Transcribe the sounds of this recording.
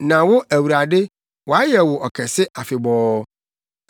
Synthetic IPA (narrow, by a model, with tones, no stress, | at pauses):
nã˨wʊ˦æ˨wu˨ɾa˨dɪ˦ | wɔ˨a˦jɛ˨wʊ˨ʔɔ˨kʰɛ˨sɪ˦a˨fɪ˨bɔː˦